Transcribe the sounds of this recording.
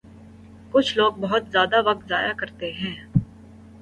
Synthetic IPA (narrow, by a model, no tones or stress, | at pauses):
kʊt͡ʃʰloːɡ̚bɐɦʊt̪zjaːd̪aʋɐk̚t̪zaːjakɐɾt̪eɦɛ̃ː